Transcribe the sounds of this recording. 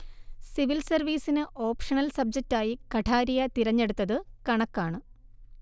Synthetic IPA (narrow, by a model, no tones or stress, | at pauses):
siʋilsɐrʋiːsinɨʔoːpʂɐnɐlsɐb̚d͡ʑɐk̚tːaːjikɐʈʰaːɾijɐt̪iɾɐɲːe̞ɽut̪ːɐðɨkɐɳɐkːaːɳɨ